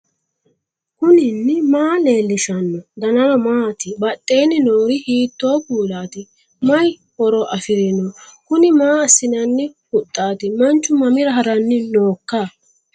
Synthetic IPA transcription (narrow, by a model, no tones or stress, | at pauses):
kʊnɪnːɪmaːle̞ːlːɪʃɐnːɔd̪ɐnɐnɔmaːt̪ɪbɐt̪ʼːejnːɪnoːɾɪhiːt̪ːoːkuːlaːt̪ɪ | mɐj | hɔɾɔʔɐfɪɾɪnɔkʊnɪmaːɐsːɪnɐnːɪhʊt̪ʼːaːt̪ɪmɐnt͡ʃːʊmɐmɪɾɐɦɐɾɐnːɪno̞ːkːa